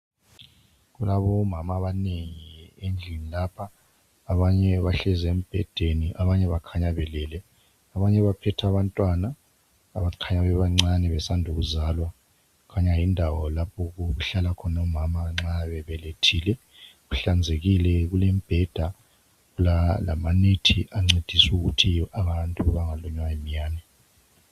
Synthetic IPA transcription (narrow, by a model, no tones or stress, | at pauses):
ɣulaβɔmamaːβaneŋiend͡ɮʱinilapʰaː | βaɲɛβaɬɛzemib̥ʱɛd̥ʱeniʔaβaɲɛβakʰaɲaβɛlɛːlɛ | aβaɲɛβapʰɛtʰaβantʼwana̰ː | βaǃʰaɲaβɛβaŋ͡ǀanɛβɛsandʱuɣuzalwa | kʰaɲajindʱawɔlapʰɔkuuɬalakʰɔnɔmamaŋ͡ǁaβɛβɛletʰiːlɛ | ɣuɬand͡zʱeɣilɛɣulemib̥ʱɛd̥ʱa | ɣulala̰manetʰiʔaŋ͡ǀed̥ʱisuɣutʰiaβantʼuβaŋalɔɲwajimijaːnɛ